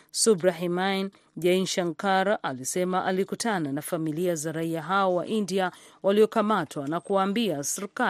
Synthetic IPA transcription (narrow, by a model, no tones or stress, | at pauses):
subɾaɦimajn | ʄainʃaŋkaɾalisɛmaʔalikutʰananafamiliazaɾaiaɦaɔwa̰ʔindiawʔaliɔkamatʰwanakuwaːmbiasɛɾika